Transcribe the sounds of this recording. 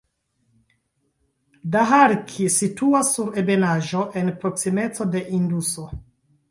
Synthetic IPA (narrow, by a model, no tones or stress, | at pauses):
daɦaɾkʰisituasːuɾe̞be̞naʒo̞ʔe̞npɾo̞ksime̞t͡so̞de̞ʔinduso